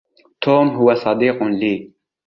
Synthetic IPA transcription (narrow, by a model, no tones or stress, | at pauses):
t̪ʰoːmɦuwɐsɑd̪iːqunliː